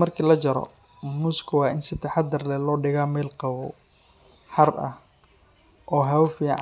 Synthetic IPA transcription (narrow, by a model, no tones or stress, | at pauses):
ɐrkʰiːlɐt͡ʃɐɾɔ̰ | mʊnʊskʰʊwɑːʔɪnsɪt̪ʰɐħɑd̪ɐrlɛlɔːɖɪɣaːmɛːlqɑwɔ̰ | ħɐrʔɐ̰h | ʔɔːɦɐwfiːʕ